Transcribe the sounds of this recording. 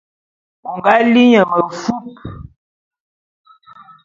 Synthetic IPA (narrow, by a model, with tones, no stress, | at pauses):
u˨ŋɡa˦li˦ɲə˨mə˨fu˦p̚